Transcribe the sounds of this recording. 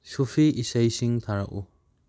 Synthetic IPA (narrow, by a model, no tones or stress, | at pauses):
sufʰiisajsiŋt̪ʰaɾa̰ʔu